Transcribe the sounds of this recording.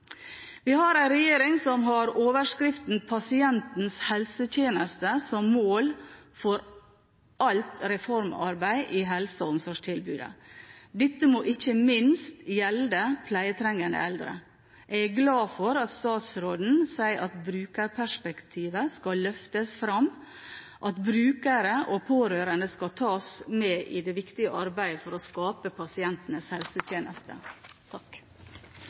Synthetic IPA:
ʋɪhɑɾæɪnɾɛjeːɾɪŋsɔmɦɑɾoːʋəʂkɾɪft̪n̩pʰɑsɪɛnt̪n̩shɛlsət̪jeːnəst̪əsɔmːoːlfɔɾ | ʔɑlt̪ɾɛfɔɾmɑ̰ɾbæɪʔiːɦɛlsəɔmsɔʂʈʰɪlbʉ̰ːd̪ə̰d̪ɪt̪ːəmoːʔɪçəmɪnst̪jɛld̪əpʰlæɪət̪ʰɾɛŋːənd̪ə̰ɛld̪ɾə̰ | ʔɛɡɛɡlɑːfɔɾɑt̪st̪ɑːt̪sɾoːd̪n̩sæɪʔɑt̪bɾʉːkəɾpʰæʂpɛkt̪ʰiːʋəskɑlœft̪əsfɾɑm | ʔɑt̪bɾʉːkəɾəʔopʰoːɾøːɾənd̪əskɑt̪ʰɑːsmeːʔɪd̪ɛʋɪkt̪ɪəʔɑɾbæɪəfɔɾɔskɑːpəpʰɑsɪɛnt̪n̩əshɛlsət̪ʰjeːnʔəst̪ə̰t̪ʰɑk

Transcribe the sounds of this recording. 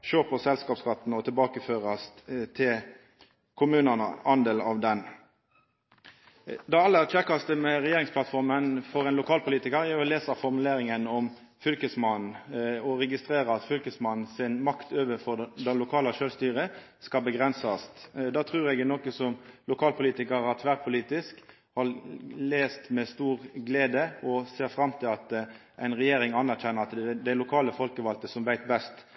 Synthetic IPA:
ʃøːʁpʰɔsɛlskɑːpskɑt̪ːnɔt̪ʰɪlbɑːkəføːʁɑst̪t̪ʰɪl | kʰʊmʉːnənə̰ɑnd̪eːlɑʋd̪ɛn | d̪ɑɑlːəæːʁt͡ʃʰɛkːɑst̪əmɛʁɛjeːʁɪŋspʰlɑt̪fɔʁmənfɔʁɛnlʊkʰɑːlpʊliːt̪ɪkəʁæɔleːsəʁfɔʁmʉleːɾɪŋənɔm | fʏlkəsmɑn̩ɔʁɛɡɪst̪ʁeːʁəɑt̪fʏlkəsmɑnn̩sɪnmɑkt̪ʰøːʋəfɔd̪ɛnlʊkʰɑːləʃøːlst̪yːʁə | skɑlbəɡʁɛnsɑst̪d̪ɑːt̪ʰʁʉːɾɛɡnɔːkəsɔmlʊkʰɑːlpʰʊliːt̪ɪkəɾɑt̪ʰʋæːʁpʰʊliːt̪ɪsk | hɑʁleːst̪mɛst̪uːʁɡleːd̪əɔseːʁfʁɑmt̪ʰɪlɑt̪ʔæɪnʁɛjeːɾɪŋɑnæʁçɛnːəɾɑt̪d̪æɪlʊkʰɑːləfɔlkəʋɑlt̪əsɔmʋæɪt̪bɛst̪

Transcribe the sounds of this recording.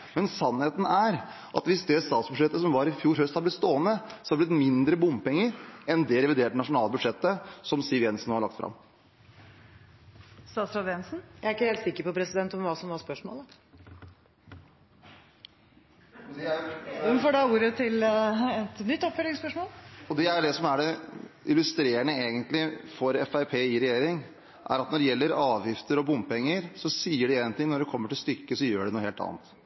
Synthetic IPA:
mɛnsɑnheːt̪n̩æɾ | ʔɑ̰t̪ʋɪsd̪ɛst̪ɑːt̪sbʉʂɛt̪ːəsɔmʋɑːɾɪfjuːɾhœst̪hɑɾblɪt̪st̪oːənəsɔhɑblɪt̪mɪnd̪ɾəbʊmpɛŋːəɾɛnd̪ɛɾɛʋɪd̪eːʈ̚ɖɛnɑʂʊnɑːlˠbʉd̪ʂɛt̪ːəsɔmsiʋjɛnsn̩oːhɑɭɑkt̪fɾɑ̰m | st̪ɑːt̪sɾɑd̪ɛnsn̩jæɪæɾɪkːəheːlt̪sɪkːəɾpɔpʰɾɛsɪd̪ɛnt̪ɔmʋɑːsɔmʋɑspœʂmo̰ːl | d̪ɛæɛnfoːɖɑuːɾət̪ʰɪlɛt̪nʏt̪ːɔpfœlɪŋspœʂmoːlɔd̪ɛæjɖ̪ɛsɔmæɖɛɪlːʉst̪ɾeːəɳəeːɡənt̪lɪfɔɾɛfæɪpʰeːɪɾɛjeːɾɪŋ | ʔæ̰ɾɑt̪nɔɖɛjɛlːəɾɑːʋjɪft̪əɾɔbʊmpɛŋːəɾsɔsiːəɖɛɛːnt̪ʰɪŋnɔɖɛkʰɔmːəʈɪlst̪ʏkːəsɔjøːɖɛnuːəheːlt̪ɑ̰ːnt̪

